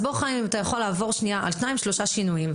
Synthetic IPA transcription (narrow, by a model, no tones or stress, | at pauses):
boχaimimat̪ajaχo̞laːvo̞ʁʃnijaʔa̰lʃnaimʃlo̞ʃaʃinujim